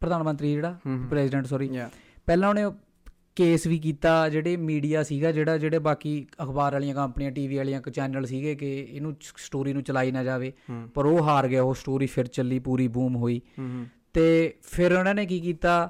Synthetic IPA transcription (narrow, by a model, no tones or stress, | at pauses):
pɾəd̪aːnmə̃nt̪ɾiːd͡ʒeːɽaːpɾɛːsɪɖə̃ɳʈsɔɾiː | pɛːlãːʊnẽː | keːsʋiːk̬iːt̪aːd͡ʒeːɽeːmiːɖijaːsiːɡaːd͡ʒeːɽaːd͡ʒeːɽeːbaːkiːəkʰbaːɾaːlijãːkəmpniːãːʈiːʋiːaːlijãːkt͡ʃɛːnəlsiːɡeːkɪɪnũːsʈoːɾiːnũːt͡ʃəlaːiːnãːd͡ʒaːʋeːpəɾoːɦaːɾɡɪaːoːsʈoːɾiːpʰɪɾt͡ʃəlːiːpuːɾiːbuːmɦoːiːt̪eːpʰɪɾonãːneːkiːkiːt̪aː